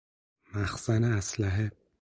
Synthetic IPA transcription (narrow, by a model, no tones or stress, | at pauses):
mæxsæneæslæɦe